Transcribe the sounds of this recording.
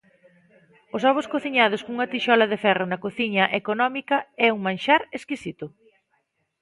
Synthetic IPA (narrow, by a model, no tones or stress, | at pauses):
ʊsɔβʊskoθiɲað̞ʊskoŋuŋɐt̪iʃɔlɐðefɛrʊnɐkoθiɲɐʔekonɔmikɐɛuŋmãnʃaɾeskisit̪ʊ